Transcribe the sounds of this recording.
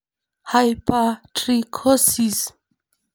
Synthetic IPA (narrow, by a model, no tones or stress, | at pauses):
hajpatɾikʰosis